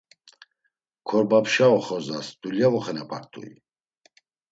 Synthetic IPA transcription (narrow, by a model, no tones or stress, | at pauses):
kʰɔɾbapʃaɔχɔzasd̪uljavɔχɛnɛpʼaɾt̪ʰʼṵḭ